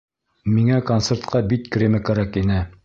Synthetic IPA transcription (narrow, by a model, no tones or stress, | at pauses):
miŋækont̪seɾt̪qʰɑbit̪kɾʲemɘkæɾækinɘ